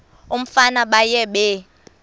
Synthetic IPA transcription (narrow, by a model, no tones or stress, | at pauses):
um̩fanaɓajɛɓɛ